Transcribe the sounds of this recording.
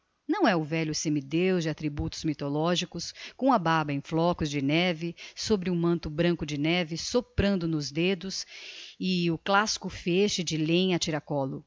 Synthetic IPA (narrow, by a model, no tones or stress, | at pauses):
nɐ̃w̃ɛʊvɛʎʊsẽmid̪ewd͡ʒɪat̪ɾibut̪ʊ̥zmit̪olɔʒikʊskõw̃ɐbabɐẽj̃flɔkʊzd͡ʒɪnɛvɪsobɾɪũmɐ̃nt̪ʊbɾɐ̃kʊd͡ʒɪnɛvɪsopɾɐ̃nd̪ʊnʊzd̪ed̪ʊsɪʊklasi̥kʊfeʃɪd͡ʒɪlẽj̃ɐt͡ʃiɾakɔlʊ